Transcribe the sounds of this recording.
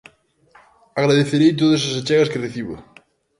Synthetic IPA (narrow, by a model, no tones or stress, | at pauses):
aɣɾaðeθeɾejt̪oðos̬asat͡ʃɛɣɐskereθiβʊ̰